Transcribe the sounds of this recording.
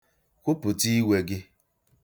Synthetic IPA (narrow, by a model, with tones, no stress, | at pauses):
kʷʊ˦pʊ˨ti˦we˦ɡɪ˦